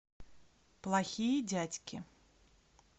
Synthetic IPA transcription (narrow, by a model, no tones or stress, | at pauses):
plˠaxʲijɐd͡zʲat͡sʲkʲi